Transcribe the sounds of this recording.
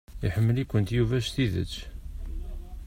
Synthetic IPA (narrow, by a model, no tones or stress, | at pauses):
iħəmːəlikʷːənt̪juvæʃθiðə̰t͡sː